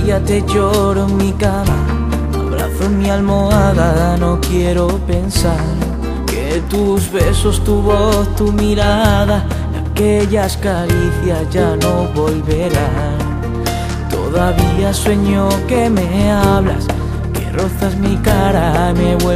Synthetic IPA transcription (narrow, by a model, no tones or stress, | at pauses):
at̪e̞ʝo̞ɾoeŋmikama | a̰βɾa̰θoŋmialmo̞aðano̞kje̞ɾo̞pe̞nsaɾ | ke̞ | t̪uzβe̞so̞st̪uβo̞θt̪umiɾaða | a̰ke̞ʎaskaɾiθjasʝano̞βo̞lβe̞ɾa | t̪o̞ðaβiaswe̞ɲo̞ke̞me̞aβla̰s | ke̞̰ro̞θazmikaɾame̞βwe